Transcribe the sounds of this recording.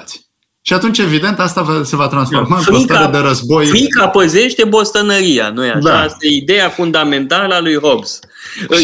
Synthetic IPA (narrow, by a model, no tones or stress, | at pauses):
t̪sʲ | ʃiat̪unt͡ʃe̞vid̪e̞nt̪ast̪avase̞vat̪ɾansfo̞rmaɨŋkoitk̪aaɾed̪eɾəzbo̞jfɾikapəze̞ʃt̪e̞bo̞st̪ənəɾia̰nuja̰ʃd̪aast̪aeid̪e̞jafund̪ame̞nt̪aləalujɦo̞bs